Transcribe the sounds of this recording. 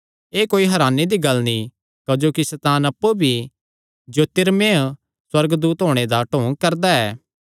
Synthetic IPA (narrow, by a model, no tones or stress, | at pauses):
eːkoːiɦɐɾaːnːed̪iɡɐlnĩ | kɐd͡ʒoːkisɛt̪aːnɐpːubʱi | d͡ʒoːt̪ɪɾmẽ | swɐɾɡd̪uːt̪ɦoːɽ̃ed̪aʈõːŋɡ̚kɐɾd̪aɛː